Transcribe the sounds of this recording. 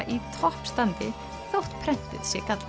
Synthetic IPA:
ʔit̪ʰɔhpst̪ant̪ɪ | θowht̪pʰɾɛn̥t̪ɪ̰ðsjɛkat̪l

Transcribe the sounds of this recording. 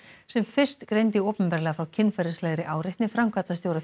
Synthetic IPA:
sɛmfɪr̥st̪kɾejnt̪ɪoːpʏmpɛɾlɛɣafɾawcʰɪnːfɛɾɪslɛːɣɾɪʔaːwɾɪht̪nɪfɾamkʰvat̪ast̪joːwɾa

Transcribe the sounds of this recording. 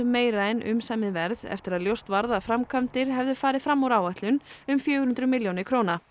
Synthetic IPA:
meːjɾaɪnʔʏ̰msɛmɪvɛɾðɛ̰ft̪ɪɾaðljowst̪vaɾðafɾamkʰœmt̪ɪɾ̥ɦɛvðʏfaːɾɪfɾamːawɾaːwaht̪lʏnʏmfjœːɣʏɾhʏnt̪ɾʏmɪljownɪkʰɾoːwna

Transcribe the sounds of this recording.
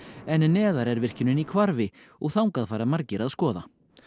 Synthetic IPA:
ɛnnɛːðaɾɛɾvɪr̥cɪnʏnikʰvaɾvɪ | ɔɣθawŋkaðfaːɾamaɾcɪɾaðskɔːða

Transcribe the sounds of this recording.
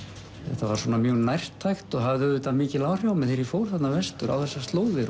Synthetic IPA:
θɛ̰ht̪ːavaɾ̥swɔːnamjœnajr̥t̪ʰːajxt̪ɔɣɦavðʏʏt̪amɪːcɪlaːwr̥jawmɪðθejɾifoːwɾ̥θat̪navɛst̪ʏɾa̰wθɛsːast̪loːwðɪɾ

